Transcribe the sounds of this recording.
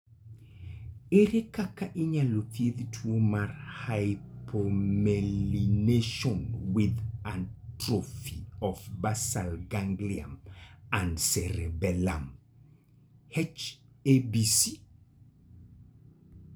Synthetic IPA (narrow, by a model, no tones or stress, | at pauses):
eɾekakaʔɪɲaloθjeðtʰwomarhajpʰomelineʃɔnwɪðantɾofiɔfbasalɡaŋɡlia̰mandsɛɾebɛla̰m | hɛt͡ʃ | ebisi